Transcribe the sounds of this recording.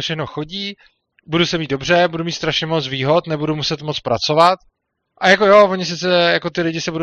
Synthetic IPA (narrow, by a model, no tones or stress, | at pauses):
fʃɛxnoxo̞ɟiː | budusɛmiːd̪̚do̞brɛbudumiːt̪st̪ɾaʃɲɛmot͡sviːɦo̞t̪nɛbudumusɛt̪mot͡spɾat͡so̞vat̪ | ʔajako̞jo̞vo̞ɲɪs̬ɪt͡sɛjako̞t̪ɪlɪɟɪsɛbudo